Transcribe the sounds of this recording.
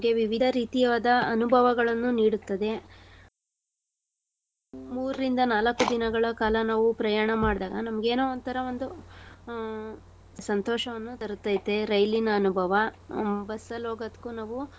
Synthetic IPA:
nɐmɡe̞ʋiʋid̪ʱɐɾiːt̪ijɐʋaːd̪ɐɐnubʱɐʋɐɡɐɭɐnːuniːɽut̪ːɐd̪e̞ | muːɾɾind̪ɐnaːlɐkːud̪inɐɡɐɭɐkaːlɐnaːʋupɾɐjaːɳɐmaːɽd̪aːɡɐnɐmɐɡeːnoːɐnt̪ɐɾɐʋo̞nd̪u | sɐnt̪ɔːʃɐʋɐnːut̪ɐɾut̪ːajit̪ːeɾɐjlinɐːnubʱɐʋɐbɐsɐloːɡɐt̪kunaːʋu

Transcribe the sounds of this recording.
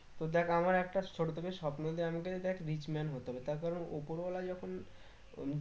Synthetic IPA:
t̪od̪ɛkʰamaɾɛk̚ʈaʃʰoɽot̪ʰekeʃɔpnod̪iamak̬ed̪ɛkʰɾit͡ɕmɛnɦot̪oɦɔbet̪aɾkaɾono̰poɾbɔlad͡ʑɔkʰon

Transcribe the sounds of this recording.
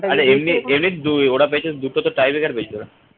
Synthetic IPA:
aɾeemniemnid̪ujoɽapeet͡ɕʰed̪uʈot̪oʈajbekaɾpet͡ɕʰioɾa

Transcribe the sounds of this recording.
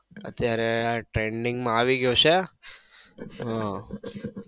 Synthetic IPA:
ə̰t̪jaːɾeʈɾeːɳɖɪ̃ŋɡmaʋiɡose | ɦã

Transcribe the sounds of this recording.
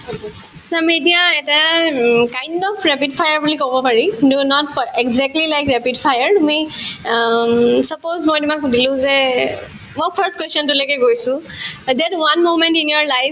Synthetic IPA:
samiet̬ijãɛtakajndɔpʰɹɛpid̚pʰajəɹbulikobɔpaɹikdunɔt̚pɛɡzɛk̚tlilajkɹɛpidpʰajəɹtumi | sɔpozmɔjtumakdilʊ̃zɛ | mɔjpʰəɹstkwɛstɔntulɔjkɛɡojsʊ̃dɛtwanmomɛ̃ntĩnjɔɹlaj

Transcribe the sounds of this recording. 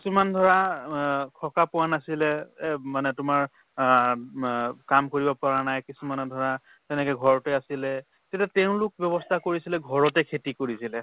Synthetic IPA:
kkisumandʱɔɹa | kʰɔkapʊwanasilɛmanɛtʊmaɹ | kamkoɹibɔpaɹanajkisumanɔdʱɔɹa | tɛnɛkɛɡʱɔɹɔtɛasilɛ | tɛtatɛʊ̃lʊk̚bjɔβɔstʰakoɹisilɛɡʱɔɹɔtɛkʰetikoɹisilɛ

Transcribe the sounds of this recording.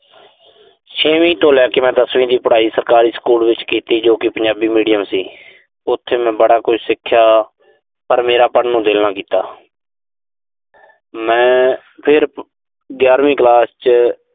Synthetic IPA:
t͡ʃʰeːʋĩːt̪oːlɛːkɪmɛ̃ːd̪əsʋĩːd̪iːpəɽaːiːsəɾkaːɾiːskuːlʋɪt͡ʃkiːt̪iːd͡ʒoːkɪpəɲd͡ʒaːbiːmiːɖijəmsiː | ʊt̪ʰːeːmɛ̃ːbəɽaːkʊʃsɪkʰːjaː | pəɾmeːɾaːpəɳnũːd̪eːlnaːkiːt̪a̰ː | mɛ̃ː | pʰɪɾ | ɡjaːɾʋĩːklaːst͡ʃ

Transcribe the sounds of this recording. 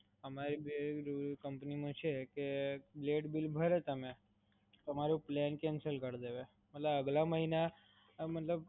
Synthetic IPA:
əmaɾibkəmpnimũt͡ʃʰekebleʈbilbʱəɾet̪əmẽ | t̪əmaɾuplɛnkɛ̃nsəlkəɾd̪eʋe | mət̪ləbəɡlaməɦina | mət̪ləb̚

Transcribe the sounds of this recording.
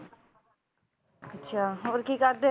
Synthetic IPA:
ətːʃʰaːoːɾkiːkəɾd̪e

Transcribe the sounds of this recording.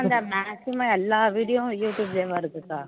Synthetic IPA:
ɐnd̪ɐmaːsɪmɐɛlːaːʋiːɽɪjojuːʈjuːbseːʋaːɪɾɯkːɯkːaː

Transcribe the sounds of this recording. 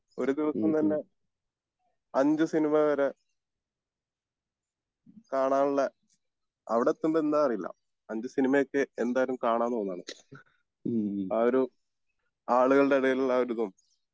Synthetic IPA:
o̞ɾud̪iʋɐsɐmt̪ɐnːe̞ | ɐɲd͡ʑɨsinimɐʋɐɾe | kaːɳaːɳuɭːɐ | ɐʋiɽet̪ːuɳɖend̪aːɐrijilːɐ̰ | ɐɲd͡ʑɨsinimɐjokːɨend̪aːjɾɐlumkaːɳaːnːoːnːaːɳɨ | aːoɾu | aːɭuɣɐɭɨɖe̞ɐɽɐɣɐlaːoɾuðum

